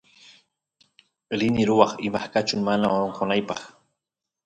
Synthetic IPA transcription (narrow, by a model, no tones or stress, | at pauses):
ɾɪnɪɾʊwɑχɪmaχkat͡ʃʊmanaoɾoɴqonajpɑχ